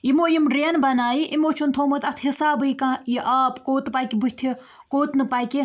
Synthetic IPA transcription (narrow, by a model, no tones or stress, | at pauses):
imoːjimɾenbɐnaːjiʔimoːt͡ʃʰunt̪ʰoːmɐt̪ɐt̪ʰɦisaːbɨjkãːjiʔaːpkoːt̪paːkʲibɨ̥t̪ʰi | koːt̪nɨpaːkʲi